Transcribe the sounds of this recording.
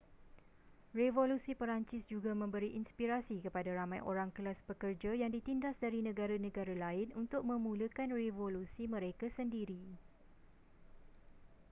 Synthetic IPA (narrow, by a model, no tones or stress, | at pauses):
revolusipəɾaɲt͡ʃɪsd͡ʒuɡamə̃mbəɾiʔinspiɾasikəpadaɾamãjʔo̰ɾaŋkəlaspəkərd͡ʒajaŋdit̪indasdaɾinə̃ɡaɾanə̃ɡaɾalaɪnunt̪ʊk̚mə̃mũləkanrevolusimə̃ɾekasəndiɾi